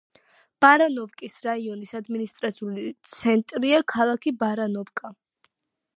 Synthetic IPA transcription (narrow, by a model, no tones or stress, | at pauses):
b̥aɾanɔvkʼisɾaiɔnisad̪minist̪ʼɾat̪sʰiulit̪sʰɛnt̪ʼɾiakʰalˠakʰibaɾanɔvkʼa